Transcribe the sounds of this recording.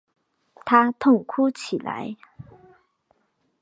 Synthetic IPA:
t̪ʰa˥t̪ʰʊ˥˩ŋkʰu˥t͡ɕʰi˨˩la̰˧˦ɪ

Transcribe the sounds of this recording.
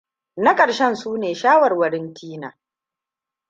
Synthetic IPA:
na˦kʼɐ˨ɽʃɛ˦nsuː˦neː˨ʃaː˦wɐ˨rwɐ˨ɽɪ˦ntʰiː˦na̰ː˨

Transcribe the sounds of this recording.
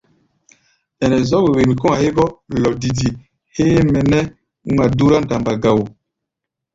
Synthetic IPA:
ɛ˨nɛ˨zɔ˦we˨we˨mi˨kɔ˦ŋa˨he˦ɡɔ˦lɔ˨di˨di˨ | he˦mɛ˨nɛ˦ | u˦ŋa˨du˦ɾa˦nda˨mba˨ɡa˨wo˨

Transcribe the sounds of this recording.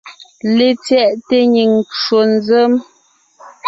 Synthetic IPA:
le˨t͡sjɛ˦˨ʔte˦ɲi˨ŋt͡ʃo˨n˦zə˦m

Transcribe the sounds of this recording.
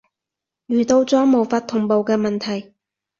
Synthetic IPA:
jyː˨˩t̪o˧wt͡sɔː˨˥mo˨˩wfaː˧t̪ʰːʊ˨˩ŋpo˨wkɛː˧mɐ˨nt̪ʰɐ˨˩j

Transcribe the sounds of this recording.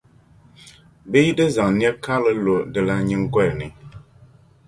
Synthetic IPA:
bi˦jdɨ˦zã˨ŋn˦ɛ˦ka˦lɨ˦lo˨dɨ˨la˦ɲɨ˦ŋ˦ɡwɛ˦˨ɾni˨

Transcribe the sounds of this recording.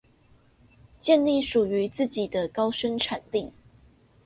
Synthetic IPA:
t͡ɕjɛ˥˧nli˥˩ʂu˨˩y˨˦t͡sɹ̩˥˩t͡ɕi˨˩d̪ə˦kɑ˥ʊʂə˥ŋʈ͡ʂʰa˨˩nli˥˨

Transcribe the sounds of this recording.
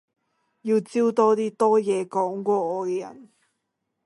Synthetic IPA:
ji˧t͡si˥wt̪ɔː˥t̪iː˥t̪ɔː˦˥jɛː˨˦kɔː˨˥ŋkwɔː˧ɔː˨˧˩ke˧jɐ̰˨˩n

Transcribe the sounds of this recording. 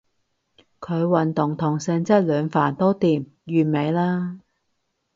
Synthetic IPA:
kʰɵ˨˧ɥwɐ˨nt̪ʊ˨˩ŋt̪ʰʊ˨˩ŋsɛː˧ŋt͡sɐ˥t̚lœː˨˧ŋfa̰ː˨˩nt̪o˥wt̪iː˨˩m | jyː˨me˨˧jlaː˥

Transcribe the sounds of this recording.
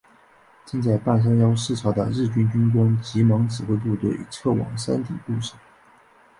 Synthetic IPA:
t͡ɕi˥˧ŋt͡sa˥˧ɪpa˥˩n̬ɑ˥ŋjɑ˥ʊʂɻ̩˥˩ʈ͡ʂʰɑ˧˥d̪ə̰˧ɻɻ̩˥˩t͡ɕy˥nt͡ɕy˥nkwɑ˥ŋt͡ɕi˧˥mɑ˧˥ŋʈ͡ʂɻ̩˨˩xwe˥˧ɪt̪̬u˥˧t̪we˥˩ɪy̰˧˥ʈ͡ʂʰɤ˥˩wɑ̰˨˩ŋʂa˥nt̪ḭ˨˩p̪u˥˩ʂɑ̥˥˩˦

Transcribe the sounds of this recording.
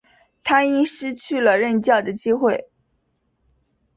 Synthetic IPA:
t̪ʰa˥i˥ŋʂɻ̩˥t͡ɕʰy˥˩lə˩ɻə˥˧nt͡ɕjɑ˥˩ʊd̪ə˩t͡ɕi˥xwe˥˩ɪ

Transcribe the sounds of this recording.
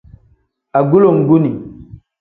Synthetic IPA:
a˨ɡu˦lo˨ŋɡu˦ni˨

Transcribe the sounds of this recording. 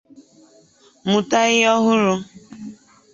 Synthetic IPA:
mʊ˨ta˦ɣɪ˦ɔ˦ɦʊ˦ɾʊ˦

